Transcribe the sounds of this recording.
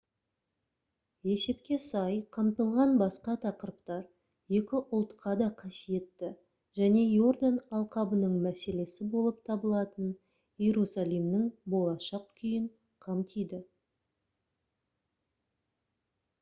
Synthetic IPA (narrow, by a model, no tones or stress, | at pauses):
e̞se̞p̚kʲe̞sɑjqʰɑmt̪əlˠʁɑnbɑsqɑt̪ʰɑqəɾəp̚t̪ɑɾ | je̞kʲɪʔʊlˠt̪qɑd̪ɑqʰɑsije̞t̪ːɪ | ʒæne̞jo̞rd̪anɑlˠqɑbənəɴmæse̞le̞sɪbo̞lˠəp̚t̪ʰɑbəlˠɑt̪ən | je̞ɾusalˠijmnɪŋbo̞lˠɑʃɑq̚kʲʰʏjɪɴ | qʰɑmt̪ʰijd̪ɪ